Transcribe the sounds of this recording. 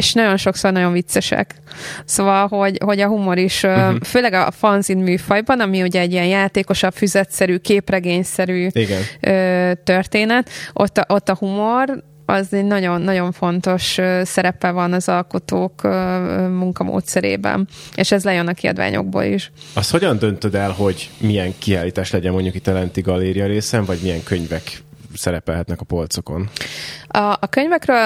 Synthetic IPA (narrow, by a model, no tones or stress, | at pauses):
eʃnɒɟo̞nʃo̞kso̞rnɒɟo̞ɱvit̪sːɛʃɛ̰kso̞vɒlɦo̞ɟho̞ɟɒɦumo̞ɾiʃøføːlɛɡɒfɒnzinmyːfɒjbɒnɒmiuɟɛɛɟːiɛnjaːt̪eːko̞ʃɒpfyzɛt̪sɛɾyːkeːprɛɡeːɲsɛɾyːiɡɛnøːt̪ørt̪eːnɛt̪ʔo̰t̪ːʔot̪ːɒhumo̞r | ɒzɛɟnɒɟo̞nːɒɟo̞ɱfo̞nt̪o̞ʃøːsɛɾɛpɛvɒnɒzɒlko̞t̪oːkømuŋkɒmo̰ːt̪sɛɾḛːbɛ̰neʃɛzlɛjønɒkiɒ̰d̪va̰ːɲo̰ɡ̚bo̰ːlḭʃɒst̪ho̞ɟɒnd̪ønt̪ød̪ɛlɦo̞ɟmijɛŋkiaːliːt̪aːʃlɛɟɛmːo̞ɲɟukit̪ːɛlɛnt̪iɡɒlːeːɾijɒɾeːsɛɱvɒɟmijɛŋkøɲvɛk | sɛɾɛpɛlɦɛt̪nɛkɒpo̞lt̪so̞ko̞n | ɒʔɒkøɲvɛkrøːl